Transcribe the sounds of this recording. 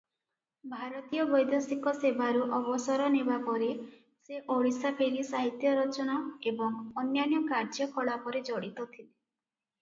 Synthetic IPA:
bʱaɾɔt̪ijɔbɔjd̪jɔsikɔsebaɾuʔɔbɔsɔɾɔnebapɔɾe | seʔoɽisapʰeɾisaɦit̪jɔɾɔt͡ʃɔnaebɔŋɔnjanjɔkaɾd͡ʒɔkʰɔɭapɔɾed͡ʒɔɽit̪ɔt̪ʰile

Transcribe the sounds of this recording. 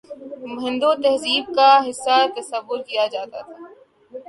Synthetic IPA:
mɦɪ̃nd̪ot̪ɛɦziːb̚kaɦɪsːat̪ɐsəʋːʊɾkijad͡ʒaːt̪a̰t̪ʰaː

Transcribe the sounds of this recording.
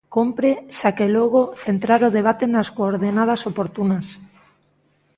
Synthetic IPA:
kompɾeʃakeloɣ̞oθent̪ɾaɾoð̞eβ̞at̪enaskoːɾðenað̞ɐsopoɾt̪unas

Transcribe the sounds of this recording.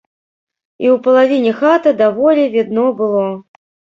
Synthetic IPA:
iwpɐlˠavʲinʲɛxat̪ɐd̪avɔlʲɛvʲid̪nɔbɨlˠɔ

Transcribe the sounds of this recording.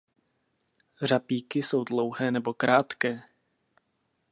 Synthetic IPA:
r̝apiːkɪso̞wdlo̞wɦɛːnɛbo̞kɾʔaːt̪kɛː

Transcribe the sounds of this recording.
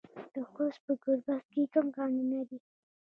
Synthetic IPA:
d̪̥əxospəɡoɾbast̪̚kekəmɡɑninad̪i

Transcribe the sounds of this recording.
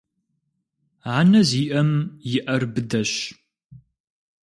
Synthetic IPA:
ʕaːnɐziːʔɐmjɪʔɐrbɨdɐɕ

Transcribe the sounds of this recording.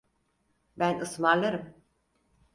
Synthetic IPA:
bænɯsmaɾlˠaɾɯm

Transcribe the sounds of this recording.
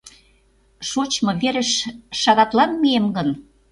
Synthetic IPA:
ʃot͡ɕmɤ̆βeɾə̆ʃʃɑɣɑt̪lɑnmiemɡən

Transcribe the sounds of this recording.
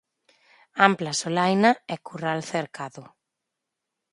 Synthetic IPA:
amplasolajnaɛkuralθeɾkaðʊ

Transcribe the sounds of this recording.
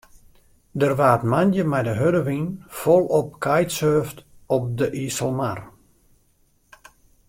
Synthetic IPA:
dərʋaːtmanjəmɛjdəɦødəʋinfɔlˠɔp̚kʰajtsøːftɔp̚dəʔisəlˠmar

